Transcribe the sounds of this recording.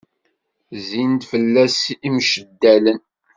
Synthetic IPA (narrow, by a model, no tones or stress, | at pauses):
zint̪fəlːæsimʃəd̪ːælən